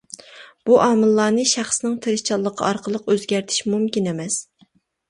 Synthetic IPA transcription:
b̥uʔɑːmɨlˠːɑːnɨʃæχsnɨŋt̪ʰeɾɨʃt͡ʃʰɑlˠːəqʰːɑ̰ɑɾqʰəlˠəqøzɡʲæɾt̪ʰɪ̥ʃmumkʲinemɛs

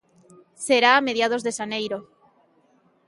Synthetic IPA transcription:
seɾaːmeðjað̞ozðeʃanejɾo

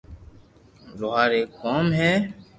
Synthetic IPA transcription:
loɦaːɾeːkkoːmɦɛː

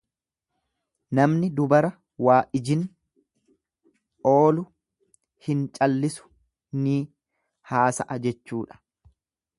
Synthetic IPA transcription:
nɐmnɪd̪ʊbɐɾɐ | waːʔɪd͡ʒɪn | ʔo̞ːlʊ | hɪnt͡ʃʼɐlːɪsʊ̥ | niː | haːsɐ̰ʔɐd͡ʒɛt͡ʃːuːᶑɐ̥

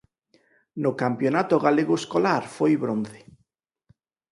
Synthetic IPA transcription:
nʊkampjonat̪oɣaleɣoeskolaɾfojβɾon̟θe̥

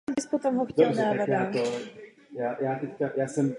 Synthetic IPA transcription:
mbɪskot̪amɦoxcɛlaːdaao | jaːjaːt̪ɛckajaːsɛm

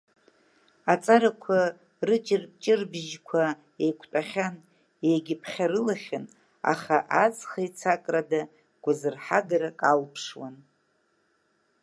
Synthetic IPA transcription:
at͡sʼaɾakʷʰa | rɨt͡ʃʼɪrt͡ʃʼɪrbʒkʷʰa | ejkʷʰtʼaχʲan | ejɡʲɪpʰχʲarɨlaχʲan | a̰χaʔad͡zχajt͡sʰakʼrada | ɡ̥ʷazɨrħaɡaɾakʼalpʰʂwa̰n

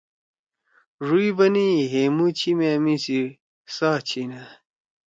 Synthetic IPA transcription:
ʐuibɐniɦemut͡ɕʰimemisiɾ | saːt͡ɕʰina

